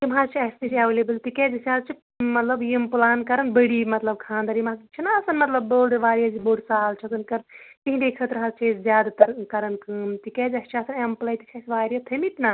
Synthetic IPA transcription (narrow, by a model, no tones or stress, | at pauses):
t̪imɦaːɾt͡ʃʰiɐst̪it͡ʃaʋlebɐlt̪ikɛːzɐsʲaːlt͡ʃʰi | mɐt̪lɐbjimpulaːnkɐɾɐnbəɽimɐt̪lɐb̚kʰãːnd̪ɐɾjimakt͡ʃʰinaːsɐnmɐt̪lɐbːoːɖʋaːɾijɐziboːɖsaːlt͡ʃʰɐkɨnkɐɾnt̪iɦĩd̪ekʰɐt̪ɾɐɦalt͡ʃʰezzʲjaːd̪at̪ɐɾkɐɾɐnkɨːmt̪ikɛːzɐst͡ʃʰasɐnemplɐjt̪i̥kʰɐsʋaːɾijɐt̪ʰɐmit̪na